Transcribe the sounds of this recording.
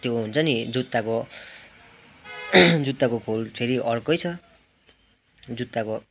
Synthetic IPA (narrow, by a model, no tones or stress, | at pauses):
t̪joɦunt͡sʰʌnid͡zut̪ːako | d͡zut̪ːakokʰolpʰeɾiʔʌrkʌjt͡sʰʌ | d͡zut̪ːako